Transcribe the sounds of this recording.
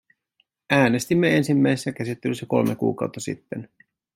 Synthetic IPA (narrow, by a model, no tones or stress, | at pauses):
æːne̞st̪imːee̞nsimːæjsesæk̟æsit̪ːelysːæko̞̰lmekṵːkɑ̰uwt̪ːɑsḭt̪ːen